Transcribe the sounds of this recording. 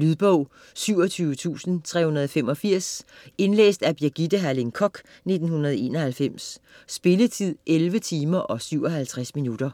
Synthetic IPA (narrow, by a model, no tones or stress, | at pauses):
lyðˠb̥ɔʊ̰ | syʊɒt͡sʰyːʊət͡sʰṵːsn̩t͡sʰʁɛ̰ːhunɐð̞ˠɒ̽fem̰ɒ̽fiɐ̰se̝nlḛːsd̥æb̥jiɐɡ̥id̥əɦæleŋkʰɒ̽ɡ̥ | ne̝d̥n̩hunɐð̞ˠɒe̝̰ːnɒ̽hælfem̰sːb̥e̝lət͡sʰið̰ˠʔelʋət͡sʰiːmɐʔɒ̽syʊɒ̽ɦælt͡sʰʁasminud̥ɐ